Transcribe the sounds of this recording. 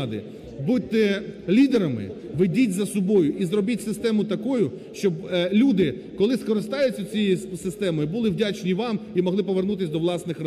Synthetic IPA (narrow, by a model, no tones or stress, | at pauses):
d̪ɪ̰ | but̪ːɪlʲid̪eɾɐmɪ̰ | ʋedʲitʲzɐsɔbɔjʊʔizrɔbitʲsɪst̪ɛmʊt̪ɐkɔjʊ | ʃt͡ʃɔblʲud̪ɪ | kɔlˠɪskɔɾɪst̪ɑjʊt͡sʲːɐt͡sʲijisɪst̪ɛmɔjibʊlˠɪʋdʲat͡ʃnʲiʋɑmimɔɦ̪ˠɪpɔʋernut̪ɪsʲd̪ɔʋlˠɑsnɪxrɐ